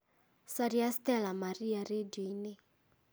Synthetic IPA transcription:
sadiast̪ɛlamariaredine

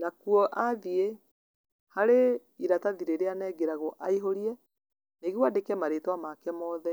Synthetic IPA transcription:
nakuɔʔaðie | haɾe | iɾataðiɾeɾeanɛːɡeɾaɣoʔaiɦoɾiɛ | neɣwadekɛmaɾetwamakɛmɔːðɛ

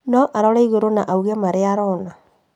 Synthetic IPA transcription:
nɔʔaɾɔɾaiɣoɾonaʔauɣɛmaɾeaɾɔna

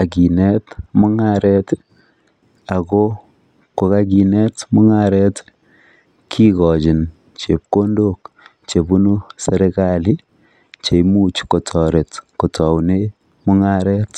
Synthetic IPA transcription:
akinɛtmɔŋaɾɛt | akɔ | kokaɡ̬inɛtmɔŋaɾɛt | kʰikɔd͡ʒin | t͡ʃep̚kondok | t͡ʃebunusɛɾekali | t͡ʃeimut͡ʃkotʰɔɾɛtkotʰɔwne | mɔŋaɾɛt

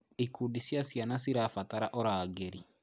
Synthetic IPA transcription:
ikuɗisjasjanasiɾaːfataɾaʔɔɾaːɡeɾi

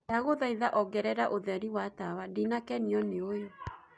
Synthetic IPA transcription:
aɣoðaiðaʔɔɡɛɾɛɾaʔoðɛɾiwatawadinakɛniɔneojo

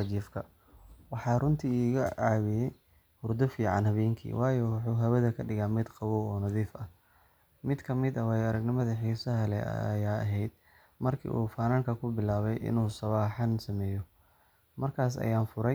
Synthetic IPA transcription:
ɐt͡ʃiːfkʰɐ | wɑħɑːrʊnt̪ʰiːiːɣɐʕɑːwɪjɛ | hʊrd̪ɔfiːʕɑnhɐβɛːŋkʰḭːwʔɑːjɔwɑħuːɦɐwɐðɐkʰɐɖɪɣaːmɪd̪qɑβɔːɔːnɐðiːfɐ | mɪd̪kʰɐmɪd̪ɐwaːjɐɾɐɡnɪmɐðɐħiːsɐɦɐlɛ̰ɐ̰jaːɐɦɛjd̪̥̚ | mɐrkʰḭːʔṵːfaːnaːŋkʰɐkʰʊbɪlaːβɛjʔɪ̰nuːsɐβaːħɑnsɐmɛːjɔ | mɐrkʰaːsɐ̰jaːnfʊɾɛj

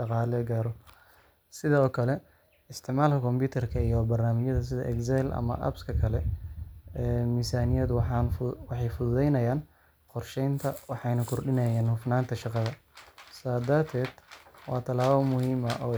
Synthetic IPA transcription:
ɑqɑːlɛɡaːɾɔ | sɪðɐɔːkʰɐlɛ | ɪst̪ʰɪʕmaːlkʰɐkʰɔmpuːt̪ʰɛrkʰɐijɔbɐrnaːmɪt͡ʃɐðɐs̬ɪðɐ̰ʔɛksɛlɐ̰mɐ̰ʔɐ̰bskʰɐkʰɐlɛ | ɛːmisaːnɪjɐd̪wwɑħɑjfʊðʊðɛjnɐjaːn | qɔrʃɛjnt̪ʰɐwɑħɑjnɐkʰʊrɖɪnɛjaːnhʊfnaːnt̪ʰɐʃɑqɑðɐ | saːd̪ɐrt̪ʰɛːd̪̥wɑːt̪ʰɐlaːβɐmʊhiːmɐʔɔː

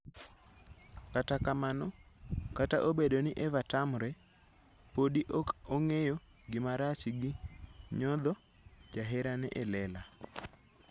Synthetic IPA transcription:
katakamanɔkataʔobedonɪʔɛvatamɾɛ | podiʔokoŋejo | ɡɪmaɾat͡ʃɡɪɲɔd̪ɔ | d͡ʒaɦɛɾanɛʔɛlɛla

